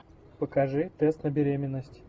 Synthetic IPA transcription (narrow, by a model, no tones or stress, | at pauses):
pəkɐʐɨt̪ɛst̪nəbʲɪɾʲemʲɪnːəsʲtʲ